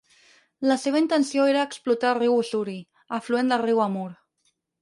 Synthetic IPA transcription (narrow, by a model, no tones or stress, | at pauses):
laseβəint̪ənsjoeɾaːksplut̪ariwusuɾi | afluend̪ariwamuɾ